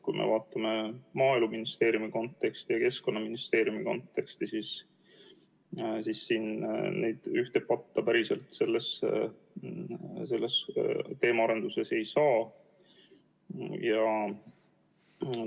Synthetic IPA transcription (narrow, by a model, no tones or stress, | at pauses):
kṵjmʔḛvɑːt̪ːˑɑme̞mɑːeluminist̪e̞ːɾjumiko̞nt̪ːˑe̞kst̪ijɑke̞sko̞nːɑminist̪e̞ːɾjumiko̞̰nt̪ːe̞kst̪isis | sisːiːnnejd̪̥yht̪e̞ppɑt̪ːɑpæɾiselt̪se̞lːes | se̞lːest̪e̞ːmɑɑɾe̞nd̪̥use̞se̞jsɑː | jɑ